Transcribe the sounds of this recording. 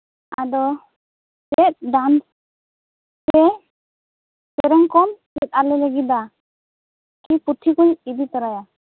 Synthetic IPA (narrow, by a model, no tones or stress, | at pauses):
a̰d̪ɔ | sɛt̪̚ɖans | tɛ | sɛɾɛŋkɔnsɛt̪̚alɛləɡid̪a | kiput̪ʰikuɲid̪it̪əɾaja